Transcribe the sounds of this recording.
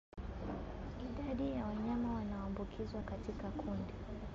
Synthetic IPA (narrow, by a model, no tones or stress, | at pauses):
iɗaɗijawaɲamawanawambukʰizwakatikakʰundi